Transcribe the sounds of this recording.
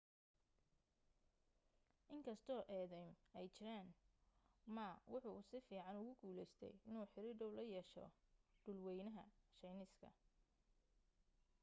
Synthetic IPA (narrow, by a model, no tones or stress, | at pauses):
ʔɪŋkʰɐst̪ʰɔːʔɛːðɛjmɛjt͡ʃɪɾaːn | mɐwʊħusɪfiːʕɑnʊɣʊɡuːlɛjst̪ʰɛ̰jɪnuːħɪɾɪɖɔwlɐjɛːʃɔ̰ɖ̥ʊlwɛjnɐɦɐ̰ʃɛjnɪskʰɐ̰